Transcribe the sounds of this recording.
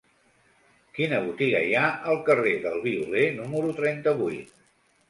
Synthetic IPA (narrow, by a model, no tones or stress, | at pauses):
kinəβ̞ut̪iɣə̰jaʔəlˠkəreðəlˠβiulenuməɾut̪ɾɛnt̪əβujt̪